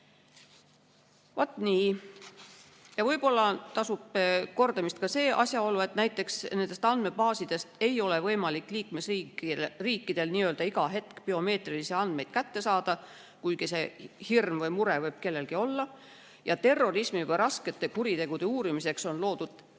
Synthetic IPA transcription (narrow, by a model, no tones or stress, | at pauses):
vɑt̪ːˑniː | jɑvɤjbo̞lːɑt̪ɑsub̥ko̞rd̪ɑmist̪̚kɑse̞ːʔɑ̰sjɑo̞lːue̞t̪næjt̪ːˑe̞ksne̞nd̪̥e̞st̪ɑnd̪̥me̞bɑːsid̪̥e̞st̪e̞jo̞le̞vɤjmɑlikːˑliːkmesiriːkːˑid̪̥e̞lniːø̞ːld̪ɑiɡɑɦe̞t̪kpio̞me̞ːt̪rilisiɑnd̪̥me̞jd̪̥kæt̪ːe̞sɑːd̪̥ɑ | kujɡise̞hirmvɤjmuɾe̞vɤjb̥ke̞lːe̞lkio̞lːɑ | jɑt̪e̞rːo̞rismivɤjɾɑske̞t̪ːˑe̞kuɾit̪e̞ɡ̥ud̪e̞uːɾimise̞kso̞nlo̞ːd̪̥ud̪̥